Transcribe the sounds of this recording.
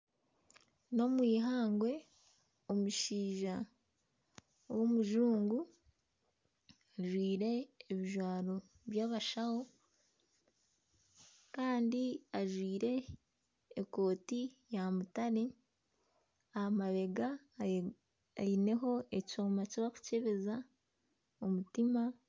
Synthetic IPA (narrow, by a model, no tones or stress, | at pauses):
no̞mwiːɦaːŋɡwe̞ | o̞muʃiːʒa | womuʒuːŋɡu | aʒwiːɾe̞ːβiʒwaːɾo̞ | βjaːβaʃaho | kaːndiaʒwiːɾe̞ː | ko̞ːtijamutaɾe | aamaβe̞ɡa | aine̞ɦo̞ecoːmaciβaku̥ce̞βe̞za | omutima